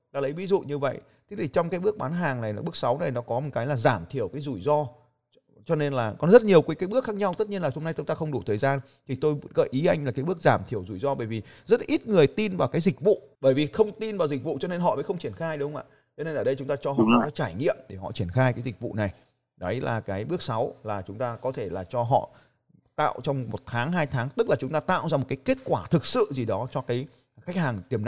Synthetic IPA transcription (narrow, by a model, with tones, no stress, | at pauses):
ɗaː˨˦lə˨˦jvi˨˦zṵ˧˨ɲɨ˧və̰˧˨j | t̪ʰi˨˦t̪ʰi˨˩t͡ɕɔ˧wŋ͡mkaː˨˦jɓɨ˦˥ək̚ɓaː˨˦nɦaː˨˩ŋna˨˩jɓɨ˦˥ək̚sa˨˦wna˨˩jnɔ˨˦kɔ˨˦mo˨˩kaː˨˦jlaː˨˩zaː˧˩mt̪ʰi˧˩əwkaː˨˦jzu˧˩jzɔ˧ | t͡ɕɔ˧ne˧nlaː˨˩kɔ˨˦nzə˦˥t̚ɲi˨˩əwkaː˨˦kaː˨˦jɓɨ˦˥ək̚xaː˦˥k̚ɲa˧wt̪ə˦˥t̚ɲi˧ənlaː˨˩ho˧mna˧jt͡ɕ̪ʊ˨˦ŋ͡mt̪aː˧xə˧wŋ͡mɗu˧˩t̪ʰəː˨˩jzaː˧n | t̪ʰi˨˩t̪o˧jɣə̰ː˧˨jʔi˨˦ʔa˧jŋ̟a˨˩kaː˨˦jɓɨ˦˥ək̚zaː˧˩mt̪ʰi˧˩əwzu˧˩jzɔ˧ɓəː˧˩jvi˨˩ | zə˦˥t̚ʔi˦˥t̚ŋɨ˨˩əjt̪i˧nvaː˨˩wkaː˨˦jzi˨˩k̟̚vṵ˧˨ɓəː˧˩jvi˨˩xə˧wŋ͡mt̪i˧nvaː˨˩wzï˨˩k̚vṵ˧˨t͡ɕɔ˧ne˧nɦɔ̰˧˨vəː˨˦xə˧wŋ͡mt͡ɕi˧˩ənxaː˧jɗə˧˨˦ŋ͡mʔa̰ː˧˨ | t͡ɕɔ˧ne˧nʔəː˧˩ɗə˧jt͡ɕʊ˨˦ŋ͡mt̪aː˧t͡ɕɔ˧ɦɔ̰˧˨ʔɔ˨˦kaː˨˦jt͡ɕaː˧˩jŋḭ˧˨əmɗe˧˩ɦɔ̰˧˨t͡ɕi˧˩ənxaː˧jkaː˨˦jzi˨˩k̚vṵ˧˨na˨˩j | ɗɔ˨˦jlaː˨˩kaː˨˦jɓɨ˦˥ək̚sa˨˦wlaː˨˩t͡ɕʊ˨˦ŋ͡mt̪aː˧kɔ˨˦t̪ʰe˧˩laː˨˩t͡ɕɔ˧ɦɔ̰˧˨ | t̪a̰ː˧˨wt͡ɕɔ˧wŋ͡mmo˨˩t̚t̪ʰaː˨˦ŋɦaː˧jt̪ʰaː˨˦ŋt̪ɨ˦˥k̚la˨˩t͡ɕʊ˨˦ŋ͡mt̪aː˧t̪a̰ː˧˨wzaː˧m˨˩t̚kaː˨˦jke˦˥t̚kwaː˧˩t̪ʰɨ˨˩k̚sɨ̰˧˨zi˨˩ɗɔ˨˦t͡ɕɔ˧kaː˨˦j | xa˦˥k̟̚haː˨˩ŋt̪i˨˩əmn˨